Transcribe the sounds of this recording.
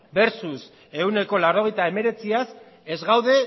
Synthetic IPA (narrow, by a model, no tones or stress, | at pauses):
be̞ɾsus | e̞une̞ko̞lawɾo̞ɣ̞e̞jt̪ae̞me̞ɾe̞t͡sias | ezɣawðe̞